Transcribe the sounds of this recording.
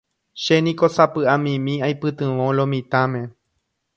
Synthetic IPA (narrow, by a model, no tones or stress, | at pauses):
ʃenĩkosapɨãmĩmĩajpɨt̪ɨ̃ʋõlõmĩt̪ãmẽ̞